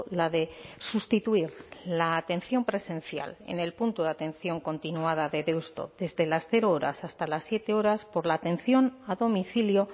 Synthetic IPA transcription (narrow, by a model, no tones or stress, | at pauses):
laðe̞sust̪it̪uiɾlaːt̪e̞nθjo̞mpɾe̞sẽ̞n̟θja̰le̞̰ne̞lpunt̪uðat̪e̞nθjo̞ŋko̞nt̪inuað̞aðe̞ðewst̪o̞̰ðe̞zðe̞lasθe̞ɾooɾa̰sast̪alasːje̞t̪e̞o̞ɾaspo̞ɾlaːt̪ẽ̞n̟θjo̞naðo̞miθiljo̞